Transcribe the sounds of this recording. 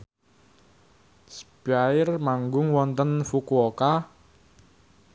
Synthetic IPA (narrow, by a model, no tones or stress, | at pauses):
sbaɪrmaŋɡʊŋwɔnt̪ənfukuɔka